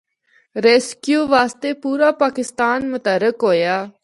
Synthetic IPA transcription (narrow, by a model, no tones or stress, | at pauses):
ɾeːskjuːʋaːst̪eːpuːɾaːpaːkɪst̪aːnmʊt̪əɾəkɦoːjaː